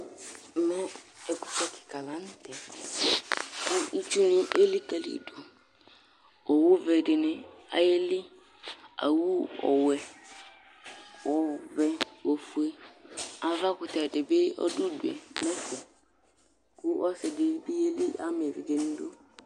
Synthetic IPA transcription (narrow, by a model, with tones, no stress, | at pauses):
mɔ˦ɛ˨kʊ̥˨fɛ˦kʰɪ̥˨ka˨la˨˦n˦tɛ˨ | kʊ˦i˦t͡ʃu˦nɪ̃˦ʔe˦li˦ka˨lḭ˦˨do˨ | ɔ˨wʊ˦vɛ˨dɪ˨nɪ̃˦a̰˨je˦lɪ˦ | a̰˨wu˦ɔ̰˨wɛ˨ | wɔ˨vɛ˨o˨fu˨e˦a˨va˦kʊ˨tɛ˨dɪ˨be˦ɔ̰˦dʊ˦du˨ɛ̰˨mɛ˦sɛ˨ | kʊ˦ʔɔ˦sɛ˨dɪ˨˦bi˦e˦li˦ʔa̰˦m˨ɛ˨vi˨ɡe˨n̩˦do˦